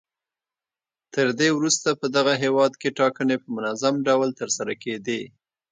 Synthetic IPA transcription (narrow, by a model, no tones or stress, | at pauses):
t̪əɾd̪ewɾust̪apəd̪aɣaɦewɑd̪keʈɑkənepəmʊnazamɖawlt̪əɾsaɾaked̪e